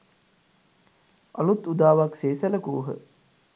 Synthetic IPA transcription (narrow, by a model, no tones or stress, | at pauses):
a̰lut̪ud̪aːʋakseːsələkuːɦə̰